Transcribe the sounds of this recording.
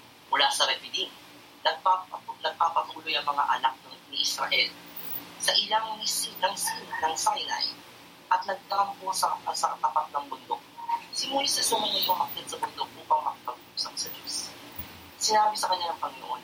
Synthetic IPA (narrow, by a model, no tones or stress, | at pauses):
mʊlaːsɐɾɛpɪd̪in | nɐɡ̚papnɐɡ̚paːpɐt̪uːlojɐŋmɐŋa̰ʔɐ̰nak̚nɐŋnɪʔɪsɾɐ̰ʔɛl | sɐʔɪlaŋmisinɐŋsnɐŋsɐkɪna̰j | ʔɐt̪nɐɡ̚t̪ɐkɐŋposɐɐsɐkɐt̪ɐpat̪̚nɐŋbʊnd̪ok̚sɪmosɪsɛsʊmʊnɐjoŋhɐk̚t̪ɐd̪̚sɐbʊnd̪ok̚ʔuːpɐŋmɐkɪpɐɡusɐksɐd͡ʒos | sɪnaːbɪsɐkɐɲːanɐŋpɐŋɪno̰ʔon